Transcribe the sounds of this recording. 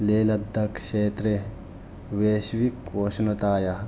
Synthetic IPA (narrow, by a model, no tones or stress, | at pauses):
leːlɐd̪ʱːɐkʃeːt̪ɾe | ʋeːʃʋikoʃnot̪aːjɐ